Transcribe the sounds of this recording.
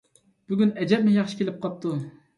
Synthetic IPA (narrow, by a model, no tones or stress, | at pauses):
b̥yɡʲynɛd͡ʒɛp̚mɪjɑχʃi̥kʲelɪp̚qʰɑp̚t̪ʰu